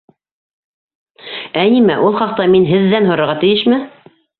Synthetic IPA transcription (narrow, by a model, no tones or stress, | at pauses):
ænimæʔulˠχɑq̚t̪ɑminɦɘ̆ðːænɦŏɾɤ̆ɾʁɑt̪ɘ̆jɘʃmɘ